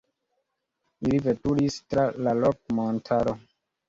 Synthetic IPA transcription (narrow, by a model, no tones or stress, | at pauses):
ilivetuɾistɾalalok̚montʰaɾo